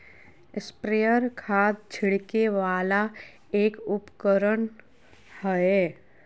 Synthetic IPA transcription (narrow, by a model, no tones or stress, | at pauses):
ɪspɾejəɾkʰaːd̪̚d͡ʒʰɪɽkeʋaːla | eːkʊpkəɾən | həe